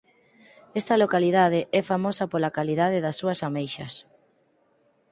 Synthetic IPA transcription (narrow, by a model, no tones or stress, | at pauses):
ɛst̪ɐlokalið̞að̞ɪʔɛfamosɐpolakaliðaðeðɐsːuɐsamejʃɐs